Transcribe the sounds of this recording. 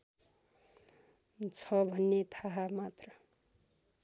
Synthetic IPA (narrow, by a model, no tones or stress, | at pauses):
t͡sʰʌbʱʌnːet̪ʰaɦamat̪rʌ